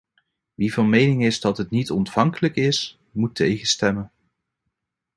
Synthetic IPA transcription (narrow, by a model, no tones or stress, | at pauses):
ʋivɑnmejnɪŋɪzdɑtɦətnitɔntfɑŋkələkɪs | mutʰejχəstɛmən